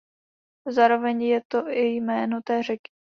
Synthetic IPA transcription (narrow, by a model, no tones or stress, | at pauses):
zaːɾo̞vɛɲjɛt̪oʔɪjmɛːnot̪ɛːr̝ɛkɪ̥